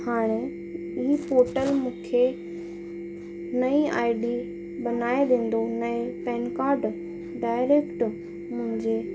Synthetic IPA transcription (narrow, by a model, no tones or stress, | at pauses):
haːɽ̃e | ɪɦipoːɾʈəlmũːkʰe | nɐia̰ːɪɖi | ɓɐnaːed̪ẽːn̆d̪onɐ̃pɛːnkaːɾɖ | ɖaːɪɾeːkʈ | mʊ̃ɦɪ̃ɲd͡ʑe